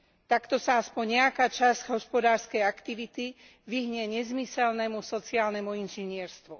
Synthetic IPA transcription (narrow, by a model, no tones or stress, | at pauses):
t̪akt̪ɔsaaspɔɲɲɛakaːt͡ʃazɟɦɔspɔd̪aːɾskɛjakt̪iʋit̪i | ʋiɦɲɛɲɛzmisɛlnɛmusɔt͡siaːlnɛmuinʒɛɲɪɛɾst̪ʋu